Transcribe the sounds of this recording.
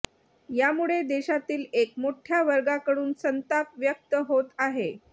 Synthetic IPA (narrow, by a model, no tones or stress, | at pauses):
jamuɭed̪eɕat̪iːlekmoʈʰjaʋəɾɡakəɽuːnsənt̪apʋjək̚t̪əɦot̪aɦe